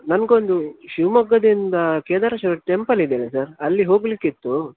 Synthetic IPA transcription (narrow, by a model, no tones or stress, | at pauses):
nɐmɡeond̪uʃiʋmɐɡːɐd̪ind̪ɐkeːd̪aːɾɐʃɐɐʈempɐlid̪eːnesɐɾɐlːiɦo̞ːɡlikːit̪ːu